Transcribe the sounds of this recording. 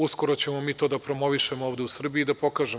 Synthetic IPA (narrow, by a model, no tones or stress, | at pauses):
usko̞ɾo̞t͡ɕe̞momiːt̪o̞ːd̪apɾo̞mo̞ʋiʃemooːʋd̪eusr̩biiːd̪apo̞kaːʒe